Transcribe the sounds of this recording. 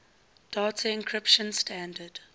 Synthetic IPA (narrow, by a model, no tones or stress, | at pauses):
d̥atʰəɪ̃nkʰɹɪpʃə̃nstʰæ̃ndəd